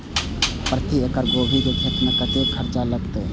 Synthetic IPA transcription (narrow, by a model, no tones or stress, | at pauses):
pɾət̪iekəɾɡoːbʱikekʰeːt̪mẽkət̪ekʰəɾt͡ʃaləɡt̪e